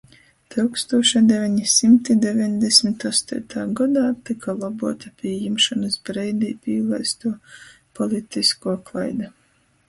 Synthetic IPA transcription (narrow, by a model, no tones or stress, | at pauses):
t̪ɨwkst̪uɔʃad̪ɛvʲɛɲisimt̪id̪evʲɛɲd̪esʲmit̪ɔst̪ṵːt̪aːɡɔd̪aːt̪ikʰalˠabuɔt̪apʲiɛjimʃɔnɨsbɾɛjd̪iːpʲiːlˠɛjst̪uɔ | pɔlʲˠit̪iskuɔklˠajd̪a